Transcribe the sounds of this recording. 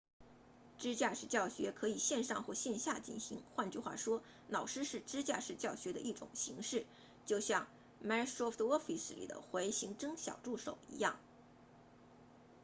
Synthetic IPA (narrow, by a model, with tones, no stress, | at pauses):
ʈ͡ʂɻ̩˥t͡ɕja˥˩ʂɻ̩˨˩t͡ɕjɑ˥˩ʊɕɥɛ˧˥kʰɤ˧˥i˨˩ɕjɛ˥˧nʂɑ˥˧ŋxwɔ˥˧ɕjɛ˥˧nɕja̰˥˧t͡ɕḭ˥˩nɕi˧˥ŋxwa˥˧nt͡ɕy˥˧xwa̰˥˩ʂwɔ˥ | nɑ˨˩ʊʂɻ̩˥ʂɻ̩˥˧ʈ͡ʂɻ̩˥t͡ɕja˥˩ʂɻ̩˨˩t͡ɕjɑ˥˩ʊɕɥɛ˧˥d̪ə˧ʔi˥˩ʈ͡ʂʊ̰˨˩ŋɕi˧˥ŋʂɻ̩˥˩ | t͡ɕjo˥˧ʊɕjɑ˥˩ŋ | ma˥ɔ˥fwɔ˥fi˨˩s̩˩lḭ˨˩d̪ə̰˦xwe˧˥ɪɕi˧˥ŋʈ͡ʂɤ˥ŋɕjɑ̰˨˩ʊʈ͡ʂu˥˩ʂo˨˩ʊḭ˧˥jɑ˥˩ŋ